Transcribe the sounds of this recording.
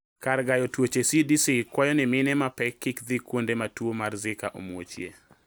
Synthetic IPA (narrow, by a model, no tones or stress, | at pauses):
karɡajɔtwot͡ʃesidisikwajɔnɪmɪnɛmapɛkːɪkd̪ikwondematwomarzɪkaʔo̰mwo̰t͡ʃjḛ